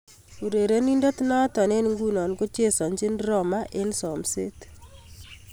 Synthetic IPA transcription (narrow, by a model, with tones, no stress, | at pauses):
u˨ɾe˨ɾe˦ni˦ndo˦t̪nɔ˦tɔ˨ne˦nŋɡu˦nɔ˨nko˦t͡ʃe˦sɔ˨ɲt͡ʃɪ˦nrɔ˦˨ma˦ʔe˦nsɔ˨mse˦t